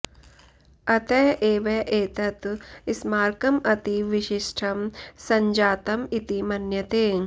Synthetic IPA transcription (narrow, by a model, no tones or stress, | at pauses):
ɐt̪ɐːʔeːʋɐʔeːt̪ɐt̪ɪsmaːɾkɐmɐt̪iʋɪʃiʃʈʰɐmsɐɲd͡ʒaːt̪ɐmit̪imɐnjɐt̪eː